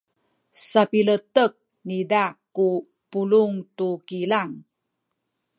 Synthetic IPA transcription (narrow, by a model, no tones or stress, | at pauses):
sapilətək̚ | nidaku | puluŋtukilaŋ